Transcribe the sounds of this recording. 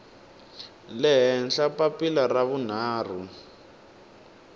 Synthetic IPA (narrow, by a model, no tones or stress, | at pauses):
lɛɦɛnɬapapilaraβun̤aːr̤u